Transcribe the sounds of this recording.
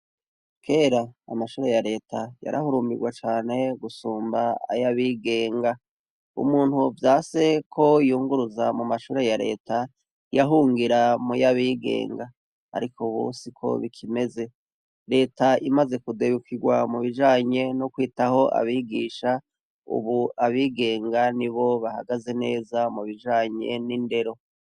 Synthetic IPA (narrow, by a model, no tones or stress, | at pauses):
kʰe̞ːɾa̰ːmaʃuːɾe̞jaɾe̞ːtʰaja̰ɾʔa̰huɾuːmbiɡwat͡ʃaːne̞ɡusuːmba̰ːjaβiːɡe̞ːŋɡa | ṵmuːn̥huvjaːse̞kʰo̞juːŋɡuɾuzamumaʃuːɾe̞jaɾe̞̰ːta | jaɦuːŋɡiɾamujaβiɡe̞̰ːŋɡa | a̰ɾikʰoβṵːsikʰo̞̰βikʰime̞ze̞ | ɾe̞ːtaimaze̞kudeβukiɡwamuβid͡ʒaːɲe̞nokwiːtaho̞ʔa̰βiɡiːʃa | ṵβuaβiːɡe̞ːŋɡaniβo̞βahaɡaze̞ne̞ːzamuβid͡ʒaːɲe̞̰ninde̞ɾo̞